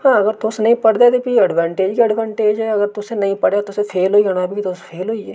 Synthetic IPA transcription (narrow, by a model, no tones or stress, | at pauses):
hãːəɡəɾt̪ʊsnəĩːpəɽd̪eːt̪epiəɖʋãːɳʈeːd͡ʒkiəɖʋãːɳʈeːd͡ʒɛːəɡəɾt̪ʊsẽnɐɦĩːpəɽeaːt̪ʊsepʰeːlɦoːiːɡəñaːbikit̪ʊspʰeːlɦoːiɛː